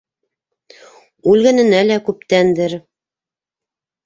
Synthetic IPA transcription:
ʉlɡæ̆nɘ̆nælækʉpt̪ænd̪ɘɾ

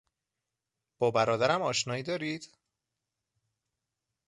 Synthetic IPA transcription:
b̥ɒːbæɾɒːd̪æɾæmɒːʃnɒːiːd̪ɒːɾiːd̪̥

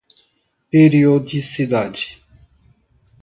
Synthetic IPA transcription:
peɾiod̪isid̪ad͡ʒi̥

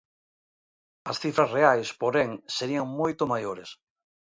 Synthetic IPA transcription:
ɐsθifɾɐsreajspoɾeŋseɾiaŋmojt̪omajoɾes

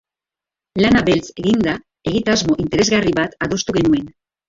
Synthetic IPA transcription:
lanaβe̞lt͡se̞ɣind̪a | e̞ɣit̪azmo̞ʔint̪ee̞zɣariβat̪aðo̞st̪uɣe̞nue̞n

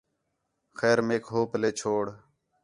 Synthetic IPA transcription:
xeːɾmeːkɦoːpleːt͡ʃʰoːɽ

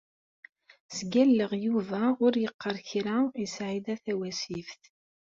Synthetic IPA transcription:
sɡælːəʁjuvæʊɾjəqːəɾˤçɾaisʕid̪æθæwæsifθ

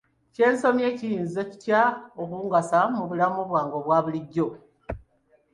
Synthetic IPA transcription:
ce̞ːnso̞mje̞ːcijiːnzo̞ci̥tjaokuːŋɡasamuβulamuβwaːŋɡo̞βwaːβuliɟːo̞

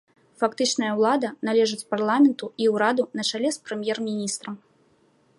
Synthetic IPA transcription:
fakt̪ɨt͡ʂnɐjɐwlˠad̪ɐnalʲɛʐɨt͡sʲparlˠamʲɛnt̪uiwɾad̪unɐt͡ʂalʲɛspɾɨmʲjɛrmʲinʲist̪ɾɐm

